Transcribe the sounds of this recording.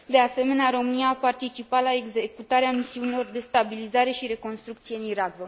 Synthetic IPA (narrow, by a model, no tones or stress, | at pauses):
d̪e̞ase̞me̞neaɾo̞mɨnijaːpart̪it͡ʃipat̪laeɡzekut̪aɾeamisiunilo̞rd̪e̞st̪abilizaɾe̞ʃiɾe̞ko̞nst̪ɾukt̪sijeɨniɾaɡvə